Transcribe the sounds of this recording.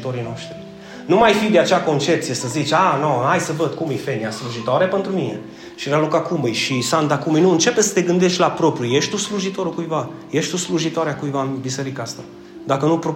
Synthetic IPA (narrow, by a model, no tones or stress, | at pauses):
t̪o̞ɾijnoaʃt̪ɾi | numajfid̪eat͡ʃeako̞nt͡ʃe̞p̚t̪sije̞səzit͡ʃʲanoajsəvəd̪̚kumɨjfe̞nijasluʒit̪oaɾepe̞nt̪ɾumine̞̰ | ʃiɾalukakumɨjʃisand̪akumɨjnuɨnt͡ʃe̞pesə̥t̪e̞ɡɨnd̪e̞ʃt̪ʲlapɾo̞pɾʲjuje̞ʃt̪usluʒit̪o̞ɾukujvajeʃt̪usluʒit̪oaɾeakujvaɨnbise̞ɾikaast̪a | d̪akənupɾo